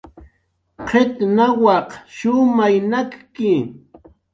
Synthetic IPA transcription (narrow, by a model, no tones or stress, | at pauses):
qʰet̪nawɑqʃʊmajnakkɪ